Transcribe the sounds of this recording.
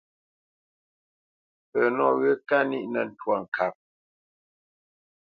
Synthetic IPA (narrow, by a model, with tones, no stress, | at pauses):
pə˨nɔ˦˨ɣə˦ka˦ni˦ʔnə˨n̩˨twa˨ŋ̩˨kʰa˨p̚